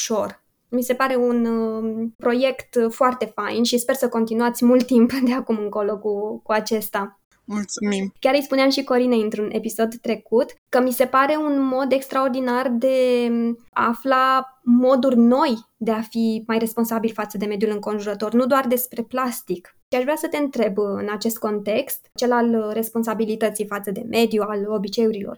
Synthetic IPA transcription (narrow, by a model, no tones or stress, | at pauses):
uʃo̞r | mise̞paɾe̞un | pɾo̞je̞kt̪foart̪e̞fajnʃispe̞rsəko̞nt̪inuat̪sʲmult̪ːimpd̪e̞akumɨŋko̞lo̞kukuat͡ʃe̞st̪a | mulsumimkʲaɾɨjspuneamʃiko̞ɾinejɨnt̪ɾune̞piso̞d̪t̪ɾe̞kut̪kəmise̞paɾe̞unmo̞d̪e̞kst̪ɾao̞rd̪inard̪e̞ | aflamo̞d̪urʲno̞jd̪e̞afimajre̞spo̞nsabilfat̪səd̪e̞me̞d̪julɨŋko̞nʒuɾət̪o̞rnud̪oard̪e̞spɾe̞plast̪ik | ʃiaʃvɾeasət̪e̞ɨnt̪ɾe̞bɨ̰nat͡ʃe̞st̪̚ko̞nt̪e̞kst̪t͡ʃe̞lalre̞spo̞ns̬abilit̪ət̪sijfat̪səd̪e̞̰mʔe̞d̪jualo̞bit͡ʃe̞uɾilo̞̰r